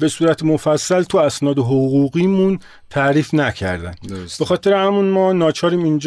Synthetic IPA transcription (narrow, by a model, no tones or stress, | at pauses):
be̞suːɾæt̪ʰemofæsːælt̪ʰuæsnɒːd̪eɦoɣuɣiːmun | t̪ʰæʔɾiːfnæcʰæ̰ɾd̪æ̰nb̥e̞xɒːt̪ʰe̞ɾehæmunmɒːnɒːt͡ʃʰɒːɾiːmind͡ʒ